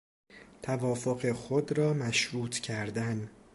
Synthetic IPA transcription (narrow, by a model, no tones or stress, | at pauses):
t̪ʰævɒːfo̞ɣe̞xod̪ɾɒːmæʃɾuːt̪ʰcʰæɾd̪æn